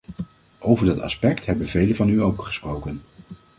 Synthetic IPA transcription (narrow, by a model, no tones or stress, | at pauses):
ʔowvəɹdɑtɑ̰spɛktɦɛbənvejləvɑnyowkχə̥sprowkən